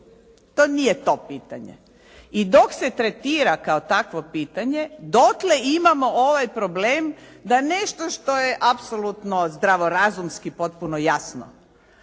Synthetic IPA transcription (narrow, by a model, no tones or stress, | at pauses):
t̪oːnijet̪o̞piːt̪a̰ɲḛ | id̪o̞kset̪ɾet̪iːɾakaot̪akʋopiːt̪aɲed̪ot̪leimamooʋajpɾobleːmd̪aneʃt̪oʃt̪o̞jeʔapsolut̪nozd̪ɾaʋoɾazumskipo̞t̪̚punojasno̰